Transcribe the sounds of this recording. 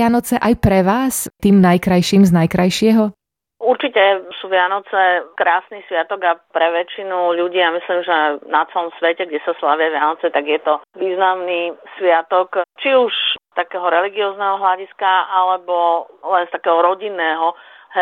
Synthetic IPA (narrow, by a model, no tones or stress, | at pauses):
janɔt͡sɛʔajpɾɛʋaːst̪iːmnajkɾajʃiːmznajkɾajʃɪɛɦɔ | uɾt͡ʃicɛsuːʋɪanɔt͡sɛkɾaːsniːsʋɪat̪ɔɡapɾɛʋɛt͡ʃinuʎuɟiːjamisliːmʒɛnat͡sɛlɔmsʋɛcɛɡɟɛsaslaʋɪaʋɪanɔt͡sɛt̪aɡjɛt̪ɔʋiːznamniːsʋɪat̪ɔkt͡ʃiuʃst̪akɛːɦɔɾɛliɡiɔːznɛɦɔɦlaɟiskaalɛbɔlɛnst̪akɛːɦɔɾɔɟinːɛːɦɔɦ